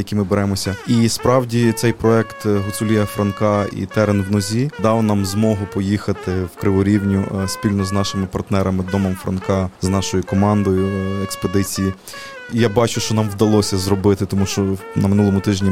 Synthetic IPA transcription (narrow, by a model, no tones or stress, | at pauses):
jɐkʲimɪbeɾɛmɔsʲɐispɾɑwdʲit̪sɛjpɾɔɛkt̪ɦɔsʲʊlʲijɐfɾɐnkɑḭt̪ɛɾenwnɔzʲid̪ɑwnɑmzmɔɦʊpɔjixɐt̪ɪwkɾɪʋɔɾʲiwnʲʊspʲilʲnɔznɑʃɪmɪpɐrt̪nɛɾɐmɪd̪ɔmɔmfɾɐ̰nkɑznɑʃɔjikɔmɑnd̪ɔjʊekspod̪ɪt͡sʲiji | ijabɑt͡ʃʊʃt͡ʃɔnɑmwd̪ɐlˠɔsʲɐzɾɔbɪt̪ɪt̪ɔmuʃt͡ʃɔnɐmɪnulˠɔmʊt̪ɪʒnʲi